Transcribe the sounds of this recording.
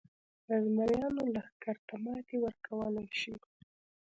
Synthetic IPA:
d̪əzmaɾjɑnolaxkaɾt̪amɑt̪ewəɾkʰawəlajʃi

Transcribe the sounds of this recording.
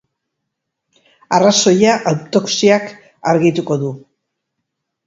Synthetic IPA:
araso̞jaʔawt̪o̞ksiak | aɾɣit̪uko̞ðu

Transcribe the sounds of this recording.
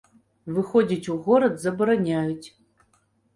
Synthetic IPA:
vɨxɔd͡zʲit͡sʲuɣɔɾɐd̪zɐbɐɾanʲajut͡sʲ

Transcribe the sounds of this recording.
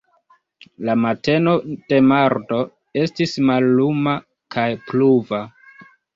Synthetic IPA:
lamate̞no̞d̥e̞maɾdo̞ | e̞stismalːuma | kajpluva

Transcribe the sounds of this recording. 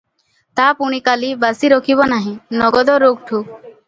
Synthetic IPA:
t̪apuɽ̃ikalibasiɾɔkʰibɔnaɦĩnɔɡɔd̪ɔɾoɡ̚ʈʰuk

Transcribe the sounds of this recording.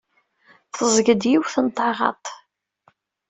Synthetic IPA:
θəzˤɡəd̪jiwθənt̪ˤːɑʁɑ̰t̪ˤ

